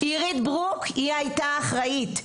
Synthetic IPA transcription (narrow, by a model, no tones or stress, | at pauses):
iʁit̪bʁukʰiajtaːχʁait̪